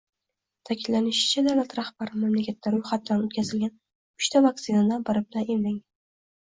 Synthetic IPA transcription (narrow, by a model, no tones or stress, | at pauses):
t̪ʰakʲʰɪllːanɪʃɪ̥t͡ʃʰad̪awlat̪ɾahbaɾɪmamlakʲʰat̪ʰːaɾʊjχat̪̚d̪anot̪kʲʰazɪlɡʲan | ʊʃt̪ʰavaksɪnad̪anbɪɾɪb̚lanemlɪŋ